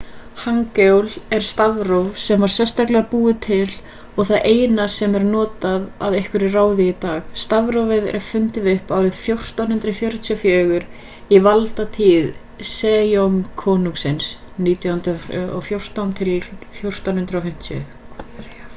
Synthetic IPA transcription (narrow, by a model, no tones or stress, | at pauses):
haŋkewlɛɾ̥st̪avɾowvsɛmvaɾ̥sjɛst̪aklɪapuːðɪt̪ʰɪl | ɔɣθaðʔeːjnasɛmɛɾnɔːt̪aðaðejhkʏɾɪraːwðɪit̪aːɣst̪avɾowvɛðɪɾʔɛ̥fʏnt̪ɪðʏhpaːwɾɪðfjowr̥t̪awnhʏnt̪ɾʏfjœːɾʏt̪ʰiʏfjœːɣʏɾ | ivalt̪at̪ʰiːð | sɛːjomkʰɔːnuŋksɪns | niːt̪ʰjahnt̪ɔ̰fjowr̥t̪awnt̪ʰɪlfjowr̥t̪anhʏnt̪ɾawfɪm̥t̪ʰjʏ̰